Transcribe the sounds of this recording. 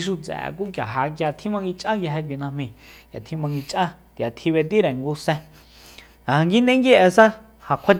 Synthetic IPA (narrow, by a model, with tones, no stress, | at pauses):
ʃ̬u˧t͡sɛ̰˨k̬u˦k̬ja̰˨ɦa˧k̬ja˧t̪ʰĩ˦mã˧ŋɡi˧t͡ʃʼʔã˦ka˧ɦɛ˧k̬ʷi˧nã˧mĩ˧kja̰˨t̪ʰĩ˦mã˧ŋɡi˧t͡ʃʼʔã˦t̪ja˨t̪ʰi˧βe˧t̪̬i˦ɾe˨ŋɡu˧˦sɛ̃˧ | ã˨ã˧ŋɡi˦nd̪ẽ˦ŋɡi˦ʔɛ˧sa˦ | hã˧˨kʷʰa˦t͡ʃ